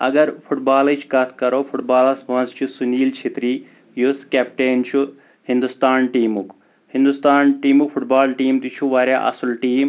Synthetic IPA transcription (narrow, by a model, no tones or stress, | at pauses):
ɐ̰ɡɐɾpʰuʈbaːlɐt͡ʃʰkɐt̪ʰkɐɾoːpʰuʈbaːlɐsbɐ̃nzt͡ʃʰusunʲiːlt͡ʃʰet̪ɾiː | juskepʈeːnt͡ʃʰu | hĩnd̪ust̪aːnʈiːmuk | hĩnd̪ust̪aːnʈiːmukpʰuʈbaːlʈiːmt̪it͡ʃʰuʋaːɾa̰ːʔɐ̰sulʈiːm